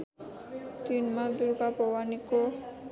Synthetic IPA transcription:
t̪inmad̪uɾɡapɔwaniko

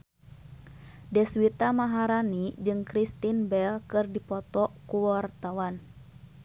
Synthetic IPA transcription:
dɛswit̪amaɦaɾanid͡ʒɨŋkɾist̪inbɛlkɨrdipɔt̪ɔkuwart̪awan

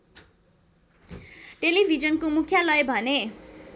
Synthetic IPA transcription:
ʈelibʱid͡zʌnkomukʰjalʌjbʱʌne

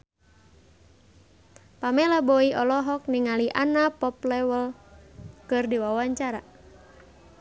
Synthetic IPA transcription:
pamɛlaboiɔlɔɦɔk̚niŋaliʔanapɔplɛwəl | kɨrdiwawaɲt͡ʃaɾa

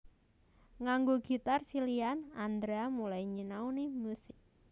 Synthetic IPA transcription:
ŋaŋɡoɡ̥i̤t̪arsilianand̪ɾeamulaiɲinaunimusɪk̚

